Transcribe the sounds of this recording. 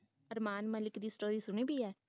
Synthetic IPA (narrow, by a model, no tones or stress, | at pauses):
əɾmaːnməlɪkd̪iːsʈoːɾiːsʊɳ̃iːbʱiːɦɛː